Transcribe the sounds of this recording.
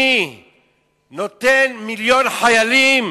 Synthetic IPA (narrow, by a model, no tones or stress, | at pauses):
i | not̪enmiljonħajalim